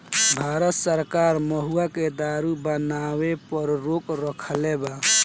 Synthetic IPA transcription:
bʱaɾət̪səɾkaɾməɦuaked̪aɾubənawepəɾɾokɾəkʰleba

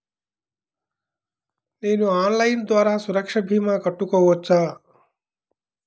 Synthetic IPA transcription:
nenuaːnlaind̪ʋaːɾasuɾəkʂabʱimãkəʈːukəuot͡sa

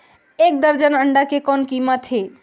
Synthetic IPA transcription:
ek̚d̪əɾd͡ʒənəɳɖakekɔnkimət̪ɦe

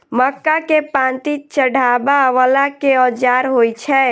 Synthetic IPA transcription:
məkːakepãnt̪it͡ʃəɽʱabaʋəlakeɔd͡ʒaɾɦojt͡ʃʰɛ

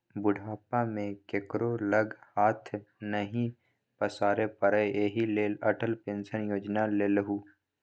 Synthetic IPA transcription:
bʊɖʱaːpamẽkekɾoləɡhaːt̪ʰnəɦĩ | pəsaːɾepəɾəeːɦileːləʈəlpẽːnsənjoːd͡ʒnaleːlɦuː

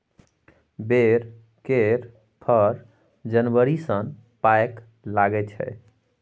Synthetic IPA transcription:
beɾ | keɾ | pʰəɾ | d͡ʒənwəɾisənpajk | laɡɛt͡ʃʰɛ̰

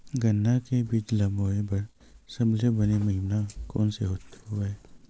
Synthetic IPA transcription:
ɡənːakebiːt͡ʃlɐboːebɐɾ | sɐblebɐnemɐɦɪmnakɔ̰ːnseɦoːt̪ɦʊaɛː

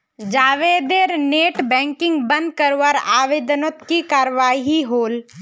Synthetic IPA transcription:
d͡ʒaːʋeːd̪eɾneːʈbɛ̃ːŋkɪ̃ŋɡbə̃nd̪̚kəɾʋəɾa̰ːʋed̪not̪kikaːɾʋaːiɦiɦoːl

